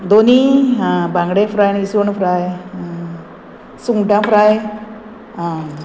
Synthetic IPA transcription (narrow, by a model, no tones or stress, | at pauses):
d̪oniabãŋɡɽefɾajnisonfʰɾaj | suŋʈãfɾaj | a